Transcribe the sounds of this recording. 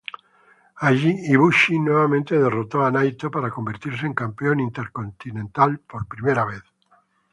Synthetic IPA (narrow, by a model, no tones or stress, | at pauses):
aʒiiβuʃinoβamẽnt̪eðerot̪oanajt̪opaɾakombeɾt̪iɾs̬eŋkampeonĩnt̪eɾkont̪inẽnt̪alpoɾpɾimejɾaβ̞eθ